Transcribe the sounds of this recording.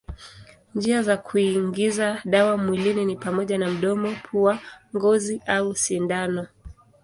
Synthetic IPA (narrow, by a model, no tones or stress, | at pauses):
nd͡ʒiazakʰuiŋɡizaɗawamwilininipamɔʄanam̩ɗɔmɔpʰuaŋɡɔziʔausindanɔ